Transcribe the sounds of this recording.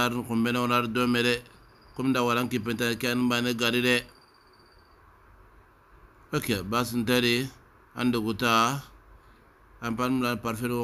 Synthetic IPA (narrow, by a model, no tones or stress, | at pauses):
aɾinkumbenawunaɾidomeɾe | kumdawaɾankipentakanibaneɡaɾiɾe | akiabas̬intaɾi | a̰nduɡuta | ampanmɾanpaɾfeɾ